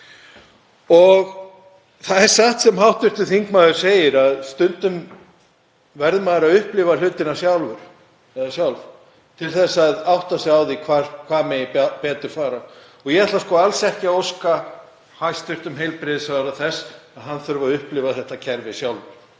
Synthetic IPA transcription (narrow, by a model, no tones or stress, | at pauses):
ɔɣ | θaðɛɾ̥saht̪sɛmɦawht̪ʏht̪ʏθiŋkmaːðʏɾ̥seːjɪɾaðst̪ʏnt̪ʏm | vɛɾðmaːðʏɾaðʏhplɪval̥ʏːt̪ɪnasjawlvʏɾ̥ | ɛðasjawlv | t̪ʰɪlθɛsːaðawht̪asɛawðikʰvaɾkʰvaːmɛjɪpɛːt̪ʏɾ̥faːɾa | ɔɣjɛɛt̪laskɔːalsɛhcɪaowska | hajst̪ʏr̥t̪ʏmɦejlpɾɪðɪsvaːɾaθɛsaðɦanːθœɾvaðʏhplɪvaθɛht̪acʰɛɾvɪsjawlvʏɾ̥